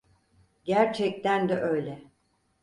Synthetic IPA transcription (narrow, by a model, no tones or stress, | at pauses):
ɟæɾt͡ʃʰɛc̚t̪ʰænd̪ɛʔøjlʲɛ